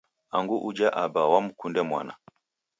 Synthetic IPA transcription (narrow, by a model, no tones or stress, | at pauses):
aŋɡuʔud͡ʒaʔabawam̩kundɛmwa̰na